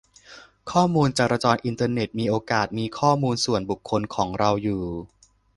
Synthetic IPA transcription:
kʰɔː˥˩muː˧nt͡ɕaː˨˧˩ɾa˧t͡ɕɔː˧nʔi˧nt̪ʰaː˧ne˨˩t̪̚miː˧ʔoː˧kaː˨˩t̪̚miː˧kʰɔː˥˩muː˧nsu˨˩ənbu˨˩kʰːo˧nkʰɔː˩˦ŋɾa˧wjuː˨˩

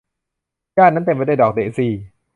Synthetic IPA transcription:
jaː˥˩˨nːa˦˥nt̪e˧mpa˧˦da˥˩˨dɔː˨˩k̚dḛː˨˩siː˧

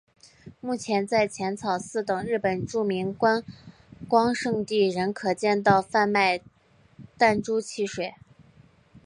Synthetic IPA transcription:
mu˥˩t͡ɕʰjɛ˧˥nt͡sa˥˩ɪt͡ɕʰjɛ˧˥nt͡sʰɑ˨˩ʊsɹ̩˥˩t̪ɤ˨˩ŋɻɻ̩˥˩pə˨˩nʈ͡ʂu˥˩mi˧˥ŋkwa˥n | kwɑ˥ŋʂɤ˥˧ŋt̪i˥˩ɻə˧˥nkʰɤ˨˩t͡ɕjɛ˥˧nt̪̬ɑ˥˧ʊfa˥˧nma˥˧ɪ | t̪a˥˩nʈ͡ʂu˥t͡ɕʰi˧˥˩ʂwe˨˩ɪ

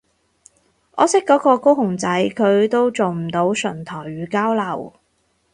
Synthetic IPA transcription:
ʔɔ̰ː˨˧sɪ˥kːɔː˨˥kɔː˧ko˥wɦʊ˨˩ŋt͡sɐ˨˥jkʰɵ˨˧ɥt̪o˥wt͡so˨˩wm̩˨˩t̪o˨˧˥wsɵ˨˩nt̪ʰɔː˨˩jɥyː˨˧kaː˥wlɐ˨˩w

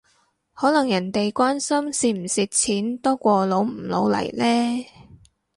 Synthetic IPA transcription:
hɔː˨˥lɐ˨˩ŋjɐ˨˩nt̪e˨jkʷaː˥nsɐ˥msiː˨˧m̩˨˩siː˨t̚t͡sʰiː˨˥nt̪ɔː˥kʷɔː˧lo˨˧wm̩˨˩lo˨˧wlɐ̰˨˩jlɛː˥

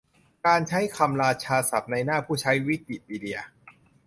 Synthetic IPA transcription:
kaː˧nt͡ɕʰa˦˥jkʰa˧mɾaː˧t͡ɕʰaː˧sa̰˨˩p̚na˧jnaː˥˩pʰuː˥˩t͡ɕʰa˦˥jwi˦˥k̪̚ːi˨˩t̪̚miː˧di˧ɐ

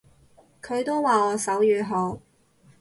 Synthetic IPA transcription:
kʰɵ˨˧ɥt̪o˥wwaː˨˩ɔː˨˧sɐ˨˥wjyː˨˧ɦo˨˥w

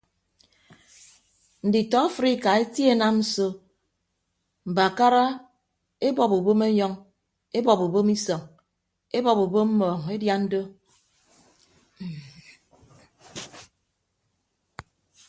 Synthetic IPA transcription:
n̩˨di˨tɔ˦a˦fɾi˦ka˨e˦tje˦na˦mn̩˦so˦ | m̩˨ba˨ka˦ɾa˦ | e˦bɔ˨pu˨bo˦me˦ɲɔ˦ŋ | e˦bɔ˨pu˨bo˦mi˦sɔ˨ŋ | e˦bɔ˨pu˨bo˦mm̩˦mɔː˨ŋe˦dja˦n̩˦do˦˨

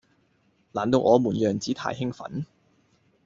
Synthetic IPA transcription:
laː˨˩nt̪o˧wʔɔː˨˧muː˨˩njœː˨˩ŋt͡siː˨˥t̪ʰa̰ː˨jɦɪ˥ŋfɐ̰˨˥n

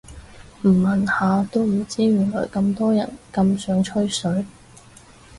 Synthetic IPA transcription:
m̩˨˩mɐ˨nhaː˨˧t̪o˥wm̩˨˩t͡siː˥ɥyː˨˩ŋlɔ̰ː˨˩jkɐ˧mt̪ɔː˥jɐ̰˨˩nkɐ˧msœː˨˥ŋt͡ʃʰɵ˥ɥsɵ˨˥ɥ

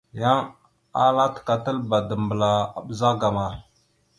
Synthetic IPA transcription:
ja˦ŋ | a˦la˦tka˨tə˦lba˨də˨mbə˨la˨a̰˨ɓə˨za˦ɡa˨ma˨ɾ

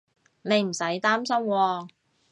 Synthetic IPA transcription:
ne˨˧jm̩˨˩sɐ˨˥jt̪aː˥msɐ˥mwɔː˧

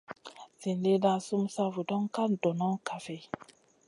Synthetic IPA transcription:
si˨nle˦da˦su˦msa˦vu˨dɔ˦ŋka˦ndɔ˨na˦ŋka˨fe˨

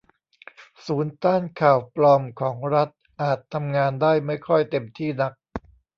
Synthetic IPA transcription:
suː˩˦nt̪aː˥˩nkʰaː˨˩wplɔː˧mkʰɔː˩˦ŋɾa˦˥t̪̚ | ʔaː˨˩t̪ʰːa˧mŋaː˧ndaː˥˩jma˥˩jkʰɔ˥˩jt̪e˧mt̪ʰiː˥˩na˦˥k̚

